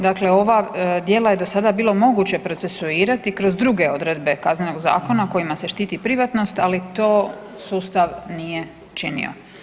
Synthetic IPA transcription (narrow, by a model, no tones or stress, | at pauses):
d̪akle̞o̞ʋad̪je̞ːlaje̞d̪o̞sad̪abiːlo̞mo̞ɡut͡ɕe̞pɾose̞suiːɾat̪ikɾo̞zd̪ɾuɡe̞o̞d̪ɾe̞d̪be̞kazneno̞ɡza̰ːko̞nako̞jimase̞ʃt̪iːt̪ipɾiʋat̪no̞st̪alit̪o̞ː | suːst̪aʋnije̞ | t͡ʃinḭo̰